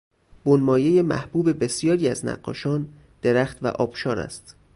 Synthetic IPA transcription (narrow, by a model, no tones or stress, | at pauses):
b̥onmɒːje̞je̞mæ̰hb̥uːbe̞be̞sijɒːɾiːæznæ̰ɢːɒ̰ːʃɒːn | d̪̥eɾæxt̪væ̰ʔɒːb̥ʃɒːɾæ̰st̪